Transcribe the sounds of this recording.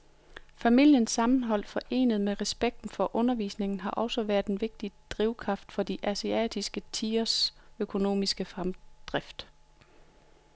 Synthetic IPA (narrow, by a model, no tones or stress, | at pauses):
fæmil̰jənsːɑ̈mn̩ɦɒ̽l̰d̥fɒ̽ʔe̝̰ːnəð̞̩ˠmeʁɛsb̥eɡ̥̚d̥n̩fɒ̽ʔɔ̽nɐʋḭːsne̝ŋn̩ɦɑ̈ʔɒ̽sɒʋæɐð̥ˠenʋe̝ɡ̥̚d̥id̥ʁiʊkʰʁɑ̈fd̥fɒ̽d̥iʔæsiɛ̰ːd̥ʰisɡ̥ət͡sʰiːɐsøkʰo̝no̝̰ːmisɡ̥əfʁamd̥ʁafd̥